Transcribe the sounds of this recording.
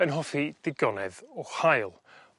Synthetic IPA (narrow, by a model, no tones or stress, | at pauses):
ənɦɔfid̥ɪɡɔnɛðɔhajlˠ